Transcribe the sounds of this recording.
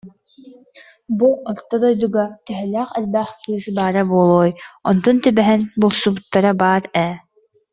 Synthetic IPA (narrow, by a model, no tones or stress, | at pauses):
buɔɾt̪ːɔd̪ɔjd̪uɡat̪ɛɦɛlæːχɛlbæχkɯːzɯbaːɾabuɔlˠɔːjɔnd̪ɔnt̪ybɛɦɛnbulˠsubut̪ːaɾabaːɾɛ